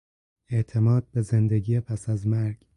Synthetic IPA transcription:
e̞ʔt̪ʰe̞mɒːd̪̥̚be̞ze̞nd̪e̞ɡiːepʰæsæzmæɾɡ̥

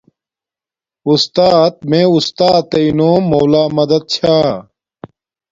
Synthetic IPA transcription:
ust̪aːt̪̚mẽːust̪aːt̪ːɐinoːmoːlaːmɐd̪ɐd̪̚t͡ɕʰaː

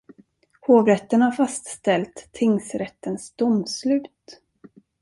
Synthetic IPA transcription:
hoːvɾɛt̪ːənhaɾfast̪st̪ɛlt̪ʰːɪŋsɾɛt̪ːənsd̪̥ʊmslʉ̟ːt̪

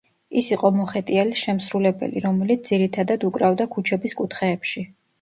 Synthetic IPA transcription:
isiqʼɔmɔχɛt̪ʼiɛliʃɛmsɾulɛbɛ̰lḭɾɔmɛlit̪d̪z̥iɾit̪ʰad̪ad̪ukʼɾavd̪akʰut͡ʃʰɛbiskʼut̪ʰχɛːpʃi

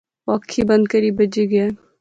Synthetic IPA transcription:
wɐkʰːibɐ̃nd̪̚kəɾibɐd͡ʒiɡe

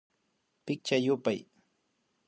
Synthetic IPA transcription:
pɪk̚t͡ʃajʊpaj

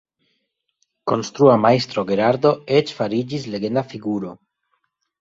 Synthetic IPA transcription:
konst̪ɾuamajst̪ɾoɡeɾaɾd̪o̞et͡ʃfaɾid͡ʒisle̞ɡe̞nd̪afiɡuɾo

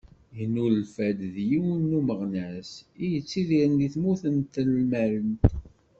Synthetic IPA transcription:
jənːullfæd̪ðjiwnːuməʁnæsijət͡sːiðiɾənd̪iθmuθənt̪əlmæɾən

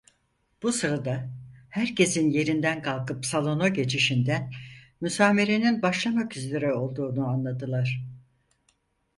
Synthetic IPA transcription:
b̥usɯɾad̪ahæɾce̞sinje̞ɾind̪ænkʰalˠkɯpsalˠo̞noɟe̞t͡ʃʰiʃind̪ænmysaːme̞ɾe̞ninbaʃlˠamakyzlʲeɾɛo̞lˠd̪uːnuanlˠad̪ɯlˠaɾ̥

